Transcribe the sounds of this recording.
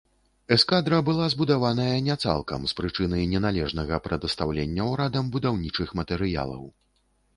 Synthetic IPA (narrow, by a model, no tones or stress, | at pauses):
ɛskad̪ɾɐbɨlˠazbud̪avan̪ɐjɐnʲɛt̪sa̰lˠkɐ̰mspɾɨt͡ʂɨn̪ɐjnʲɛnalʲɛʐnɐɣɐpɾɐd̪ɐst̪awlʲenʲːɐwɾad̪ɐmbud̪awnʲit͡ʂɨxmɐt̪ɛɾɨja̰lˠɐ̰w